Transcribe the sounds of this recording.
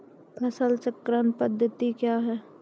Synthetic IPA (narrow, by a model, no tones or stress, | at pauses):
ɐsəlt͡ʃəkɾənpəd̪ʱːət̪ikjaːɦɛː